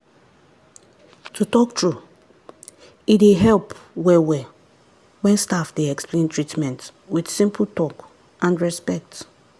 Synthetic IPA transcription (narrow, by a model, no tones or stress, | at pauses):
tʰutɔktʰɹu | ideɦɛlpwɛwɛ | wɛ̃nstafdeɛksplẽntʰɹitmɛ̃ntwid̥sĩmpʰl̩tɔk | ãnɹɛspɛk̚t